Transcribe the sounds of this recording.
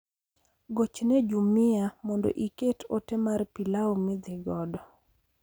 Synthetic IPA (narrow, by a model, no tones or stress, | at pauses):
ɡot͡ʃnɛd͡ʒumɪamɔndo̰ʔiketʰotɛmarpilaomɪd̪ɪɡɔdɔ